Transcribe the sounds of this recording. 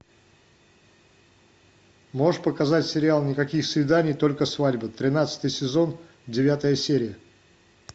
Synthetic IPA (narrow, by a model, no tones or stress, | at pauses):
mo̞ʂpəkɐzatʲsʲɪɾʲɪalˠnʲɪkɐkʲixsvʲɪd̪anʲɪjt̪o̞lʲkəsvadʲbɨt̪ɾʲɪnat̪sə̥t̪ɨjsʲɪzo̞n | dʲɪvʲat̪əjəsʲeɾʲɪjə